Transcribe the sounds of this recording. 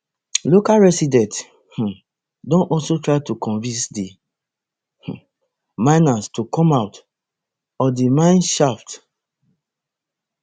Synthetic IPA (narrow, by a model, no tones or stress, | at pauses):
lokalɹɛsidɛ̃nt | h̩ | dõnɔlsotɹaɪtukɔ̃nvĩnsdi | h̩ | mãɪnastukɔ̃maʊt | ɔdimãɪ̃nʃaft